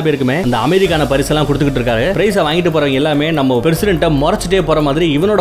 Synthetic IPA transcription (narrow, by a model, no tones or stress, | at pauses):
pɐɪɾɯkːɯmeːɐnd̪ɐɐmeðɪk̬ːaːnɐpɐɾɪsɛlːãːkɔɽɯt̪ɯkːɪʈːɪɾɯkːaːɾpɪɾɐɪsɐʋaːŋɡɪʈ̬ːɯpoːɾɐʋɐ̃ŋɡɐɛlːaːmeːnɐmːɐpɾɛsɪɽɛɳʈːɐmɔɾɐt͡ʃːɪʈːeːpoːɾɐmaːðɪɾiɪʋɐnoːɽɐ